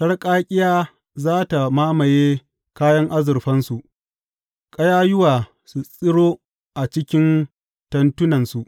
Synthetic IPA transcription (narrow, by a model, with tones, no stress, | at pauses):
sɐ˦rkʼaː˦kʲʼɪ˦jaː˦ | zaː˦ta˨maː˦mɐ˨jeː˦ | kaː˦jɐ˦ŋʔa˦zʊ˨rɸɐ˦nsu˨ʔ | kʼɐ˦jaː˦jʊ˦waː˨ | su˨sʼɪ˦ɽoː˦ | ʔa˨t͡ʃɪ˦kʲɪ˦n | tɐ˨ntʊ˦nɐ˨nsu˨ʔ